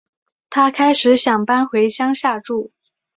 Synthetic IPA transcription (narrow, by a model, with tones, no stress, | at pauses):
t̪ʰa˥kʰa˥ɪʂɻ̩˧˥ɕjɑ˨˩ŋpa˥nxwe˧˥ɪɕjɑ˥ŋɕja˥˧ʈ͡ʂu˥˩